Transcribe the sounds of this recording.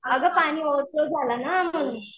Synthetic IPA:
əɡəpaɽ̃iːoʋt̪od͡zʱalanam̤əɽ̃uːn

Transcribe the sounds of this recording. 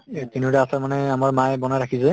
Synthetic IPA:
tinuɾaasaɹmanɛamaɹmajbɔnajɹakʰisɛ

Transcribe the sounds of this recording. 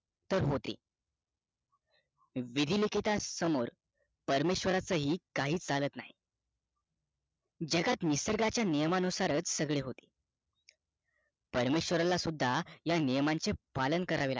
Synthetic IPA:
t̪əɾɦot̪ḭː | ʋid̪ʱilikit̪asəmoɾ | pəɾmeɕʋəɾat͡səɦiːkaɦiːt͡salət̪naɦi | d͡ʑəɡat̪nisəɾɡat͡ɕjanijəmanusaɾət͡ssəɡɭeɦot̪i̥ː | pəɾmeɕʋəɾalasud̪ʱːajanijəmant͡sepalənkəɾaʋela̰

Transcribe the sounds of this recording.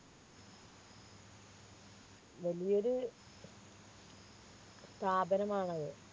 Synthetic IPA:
ʋɐlijo̞ɾu | st̪ʰaːbɐnɐmaːɳɐðɨ

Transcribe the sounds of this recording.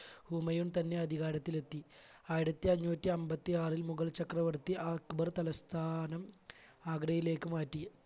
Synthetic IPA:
huːmɐjuɳt̪ɐnːe̞ɐd̪ʱiɣaːɽɐt̪ːile̞t̪ːi | aːjiɽɐt̪ːiɐɲːoːtːiɐmbɐt̪ːiaːrilmuɣɐɭt͡ɕɐkrɐʋɐrt̪ːiʔaːkubɐrt̪ɐlɐst̪ʰaːnɐm | aːɡɽɐjile̞ːkːɨmaːtːi

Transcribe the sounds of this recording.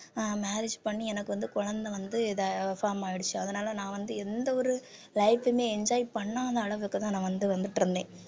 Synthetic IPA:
maːɾɪd͡ʒpɐɳːiɛnɐkːɯʋɐnd̪ɯkʊɻɐnd̪ɐʋɐnd̪ɯðɐfaːɾmaːjɪɽɯt͡ʃːɯɐðɐnaːlɐnãːʋɐnd̪ɯɛnd̪ɐɔɾɯ | lɐɪfɐmeːɛɲd͡ʒaːjipɐɳːaːðɐːɭɐʋɯkːɯt̪ãːnãːʋɐnd̪ɯʋɐnd̪ɯʈːɾɯnd̪ḛ̃ː

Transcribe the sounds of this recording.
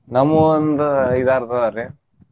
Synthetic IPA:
nɐmːuond̪uid̪aːɾt̪ɐaɾe

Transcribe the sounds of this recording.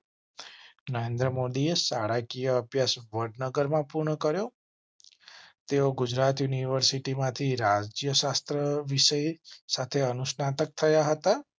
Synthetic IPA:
nəɾend̪ɾəmod̪iesaɽakijəːbʱjasʋəɖnəɡəɾmãpuɾɳəkəɾjo | t̪eoɡud͡ʒɾat̪juniʋəɾsiʈimãt̪ʰiɾad͡ʒd͡ʒjəʃast̪ɾəʋiʃəjsat̪ʰeənusnat̪ək̚t̪ʰəjaɦət̪a

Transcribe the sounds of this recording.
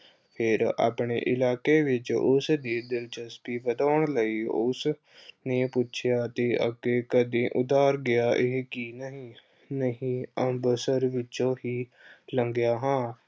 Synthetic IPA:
pʰɪɾa̰ːpɳḛːʔɪlaːkeːʋɪt͡ʃʊsd̪iːd̪ɪlt͡ʃəspiːbəd̪aːəɳləiːʊs | nẽːpʊtːt͡ʃʰɪjaːt̪eːʔə̰keːkəd̪ẽːʔʊd̪aːɾɡɪaːʔɪɦkiːnəɦĩː | nəɦĩːəmbəsəɾʋɪt͡ʃõːɦiːləŋɡjaːɦãː

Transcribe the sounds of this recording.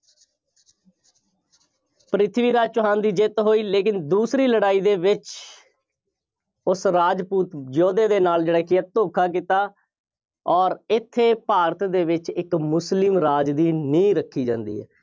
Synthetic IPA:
pəɾɪt̪ʰʋiːɾaːd͡ʒt͡ʃʊɦãːnd̪iːd͡ʒɪt̪ɦoːiːleːkɪnd̪uːsɾiːləɽaːiːd̪eːʋɪt͡ʃ | ʊsɾaːd͡ʒpuːt̪d͡ʒoːd̪eːd̪eːnaːld͡ʒeːɽaːkɪat̪oːkʰaːk̬it̪aː | ɔːɾɪt̪ʰːeːpaːɾət̪d̪eːʋɪt͡ʃɪkmʊslɪmɾaːd͡ʒd̪iːnĩːɾəkʰːiːd͡ʒã̰ːnd̪ḭːɛ̰ː

